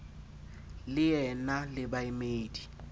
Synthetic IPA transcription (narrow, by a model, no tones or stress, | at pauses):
lɪjɛnalɪbaimeːdi̥